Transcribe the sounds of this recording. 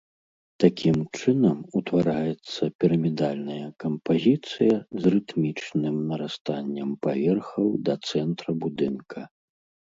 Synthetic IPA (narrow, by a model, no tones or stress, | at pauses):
t̪akʲimt͡ʂɨnɐmut̪vaɾajɛt̪sːɐpʲiɾɐmʲid̪alʲnɐjɐkɐmpazʲit̪sɨjɐzrɨt̪mʲit͡ʂnɨmnɐɾast̪anʲːɐmpavʲɛrxɐwd̪ɐt̪sɛnt̪ɾɐbud̪ɨnkʰɐ